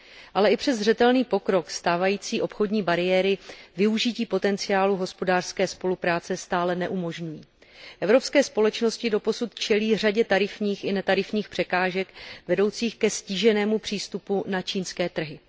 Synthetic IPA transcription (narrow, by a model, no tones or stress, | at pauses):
ʔalɛɪpr̥ɛzr̝ɛt̪ɛlniːpo̞kɾo̞kst̪aːvajiːt͡siːʔo̞pxo̞dɲiːbaɾɪjɛːɾɪvɪuʒɪciːpo̞t̪ɛnt͡sɪaːluɦo̞spo̞daːr̥skɛːspo̞lupɾaːt͡sɛst̪aːlɛnɛʔumo̞ʒɲujiː | ʔɛvɾo̞pskɛːspo̞lɛt͡ʃno̞scɪdo̞po̞sut̪t͡ʃɛliːr̝aɟɛt̪aɾɪfɲiːxɪnɛt̪aɾɪfɲiːxpr̝̥ɛkaːʒɛkvɛdo̞wt͡siːxkɛsciʒɛnɛːmupr̥iːst̪upunat͡ʃiːnskɛːt̪r̩ɦɪ